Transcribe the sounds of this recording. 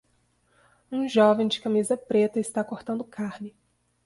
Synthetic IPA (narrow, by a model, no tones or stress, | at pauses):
ũʒɔvẽj̃d͡ʒɪkãmizɐpɾet̪ɐɪst̪akoɾt̪ɐ̃nd̪ʊkʰaɾnɪ